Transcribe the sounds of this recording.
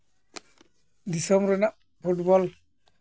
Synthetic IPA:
d̪isɔmɾɔnaʔ | pʰuʈbɔl

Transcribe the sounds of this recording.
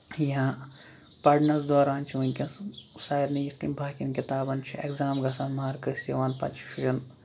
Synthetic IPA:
jɐɦã | pɐɖnɐsd̪ɔːɾaːnt͡ʃʰiʋɐnʲkʲɐssaːiɾnɐjit̪kimbʱaːkinkʲit̪aːbɐnt͡ʃʰiḛkzaːmɡɐsanmaːɾkɐsɐʋaːnpɐ̰t͡ʃʰi̥fʰiʒɐn

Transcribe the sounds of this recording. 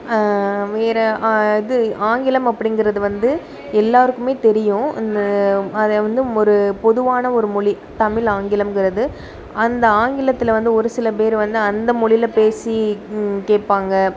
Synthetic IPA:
ʋeːɾɐɪðɯaːŋɡɪlɐmɐpːɐɽɪnŋɡɪɾɐðɯʋɐnd̪ɯ | ɛlːaːɾɯkːɯmeːt̪ɛɾɪjʊ̃ɪnd̪ɐɐðʋɐnd̪ɯɔɾɯpɔðɯʋaːnɐɔɾɯmɔɭi | t̪ɐmɪlaːŋɡɪlɐmkɪɾɐðɯ | ɐnd̪ɐaːŋɡɪlɐt̪ːɪlʋɐnd̪ɯɔɾɯsɪlɐp̬eːɾʋɐnd̪ɯɐnd̪ɐmɔɭɪlɐpeːsikeːʈ̚paːŋɡɐ

